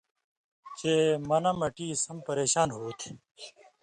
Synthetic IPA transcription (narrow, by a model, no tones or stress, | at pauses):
t͡ɕeːmɐnɐmɐʈiːsɐmpəɾeːɕaːnɦoːt̪ʰ